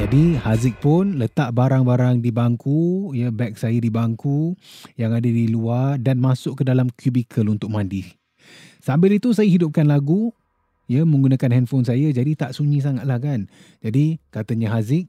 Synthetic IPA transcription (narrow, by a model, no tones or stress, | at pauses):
d͡ʒadihazɪk̚pʊnlət̪aʔbaɾaŋbaɾaŋdibaŋkʰujəbɛk̚sajədibaŋkujaŋadadiluardanmasʊʔkədalamkʰjubikʰəlunt̪ʊk̚mãndi | sambɪlit̪us̬ajaɦidʊp̚kanlaɡu | jəmə̃ŋɡunakanɦɛnfonsajad͡ʒadit̪aʔsuɲĩs̬aŋat̪̚lahkan | d͡ʒadikat̪əɲəɦazɪk̚